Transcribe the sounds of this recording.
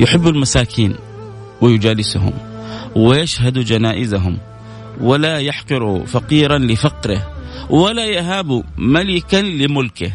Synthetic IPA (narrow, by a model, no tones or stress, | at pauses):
jɪħɪbːalmasaːkʰiːn | wɪjʊd͡ʒaːlɪsɦʊ̰mwɪjaʃhad̪ud͡ʒanaːʔɪzaɦʊm | walajaħqɨɾufɑqiːɾˤanlɪfɑqɾɪhwalajaɦabumalɪkanlɪmʊlkɪ